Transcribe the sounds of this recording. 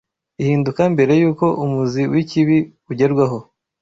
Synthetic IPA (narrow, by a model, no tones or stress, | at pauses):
ihiːndukambe̞ɾe̞juːko̞ʔumuziwiciβi | uɟe̞ɾɡwaɦo̞